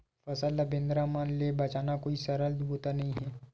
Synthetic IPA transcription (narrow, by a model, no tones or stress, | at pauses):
fɐsəlːɐbẽːnd̪ɾamaːnlebɐt͡ʃaːnakoːisɐɾəlboːt̪anɐɦĩɦɛː